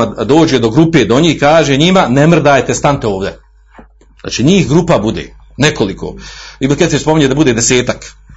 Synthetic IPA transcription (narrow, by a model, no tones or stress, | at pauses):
d̪o̞ːd͡ʑed̪o̞ɡɾupeːd̪o̞ɲiːhkaːʒeɲimanemr̩d̪aːjt̪est̪ant̪eo̞ːʋd̪e | za̰ːt͡ʃiɲiːhɡɾupabud̪ḛ | neko̞liko̰ːimket̪espomiɲed̪abud̪eːd̪ese̞ːt̪ak